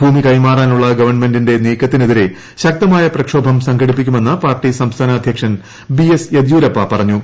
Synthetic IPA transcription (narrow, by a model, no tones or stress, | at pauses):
bʱuːmikɐjmaːraːnuɭːɐɡɐʋɐrnme̞ndinde̞niːkːɐt̪ːineðiɾe̞ | ɕɐk̚t̪ɐmaːjɐprɐkʂo̞ːbʱɐmsɐŋɡɐɽipːikʲːume̞nːɐpaːrʈːisɐmst̪ʰaːnaːd̪ʱjɐkʂɐn | biesjed̪juːɾɐpːɐpɐrɐɲːu